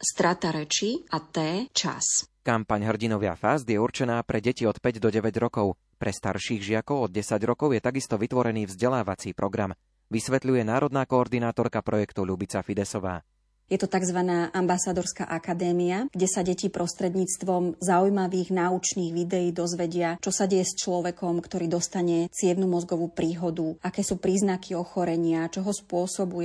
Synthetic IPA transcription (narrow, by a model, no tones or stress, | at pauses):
st̪ɾat̪aɾɛt͡ʃiʔat̪ɛːt͡ʃa̰skampaɲɦr̩ɟinɔʋɪa̰fazd̪jɛuɾt͡ʃɛnaːpɾʔɛɟɛciɔt̪pɛɟd̪ɔɟɛʋɛɟɾɔkɔʊ | pɾɛst̪a̰ɾʃiːɣʒɪakɔʊɔd̪̚ɟɛsaɟɾɔkɔʊjɛt̪aɡist̪ɔʋit̪ʋɔɾɛniːvzɟɛlaːʋat͡siːpɾɔɡɾam | ʋisʋɛt̪ʎujɛnaːɾɔd̪naːkɔːɾd̪inaːt̪ɔɾkapɾɔjɛkt̪uʎubit͡safid̪ɛsɔʋa̰ː | jɛt̪ɔt̪aɡzʋanaːʔambasad̪ɔɾska̰ʔakad̪ɛːmiaɡ̥ɟɛsaɟɛcipɾʔɔst̪ɾɛd̪ɲiːt͡st̪ʋɔmzaujmaʋiːɣnaut͡ʃniːɣʋid̪ɛjiːd̪ɔzʋɛɟɪat͡ʃɔsaɟɛjɛst͡ʃlɔʋɛkɔmkt̪ɔɾiːd̪ɔst̪aɲɛt͡sɪɛʋnumɔzɡɔʋuːpɾiːɦɔd̪uakɛːsuːpɾiːznakʰiɔxɔɾɛɲɪat͡ʃɔɦɔspʊɔsɔbujɛ